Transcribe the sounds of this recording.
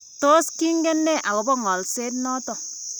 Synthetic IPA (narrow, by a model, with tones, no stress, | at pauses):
to˦ski˦ŋɡɛ˦nːɛ˦˨ʔa˨ko˨bɔ˦ŋɔ˨lse˦t̬nɔ˦to˨